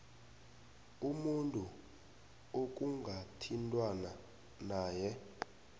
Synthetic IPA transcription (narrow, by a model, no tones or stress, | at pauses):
umuntʼu | ok̬ʼuŋɡʱatʰintʼwana | naːjɛ